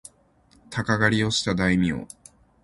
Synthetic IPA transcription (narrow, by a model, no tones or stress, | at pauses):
t̪ʰakaɡaɾʲio̞ɕi̥t̪ad̪aimʲio̰